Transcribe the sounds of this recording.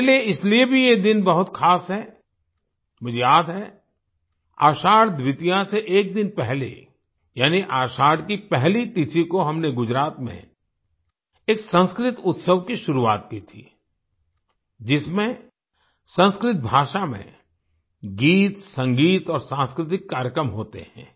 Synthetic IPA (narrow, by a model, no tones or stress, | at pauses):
lieɪsliebʱijed̪ɪnbɐɦʊt̪kʰaːsɦɛː | mʊd͡ʒʱejaːd̪ɦɛ | a̰ːʃaːɽd̪wɪt̪ijaseʔeːk̚d̪ɪnpɛɦlḛ | jaːniʔaːʃaːɽkipɛɦlit̪ɪsikoɦɐmneɡʊd͡ʒɾaːt̪mḛ̃ | eːksə̃nskɾɪt̪ʊt̪səʋkiʃʊɾuaːt̪kit̪ʰḭː | d͡ʒɪsmẽ | sə̃nskɾɪt̪̚bʱaːʃamḛ̃ | ɡiːt̪sɐ̃ŋɡiːt̪ɔːɾsãːnskɾɪt̪̬ɪkːaːɾjəkɾəmɦoːt̪ḛhɛ̰̃ː